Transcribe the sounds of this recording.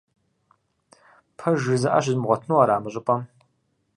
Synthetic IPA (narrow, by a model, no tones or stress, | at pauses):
pʰɐʒɨzɐʔa̰ɕɪzmʁʷɔtʰnuːaːɾaːmɨɕʼɪpʼɐm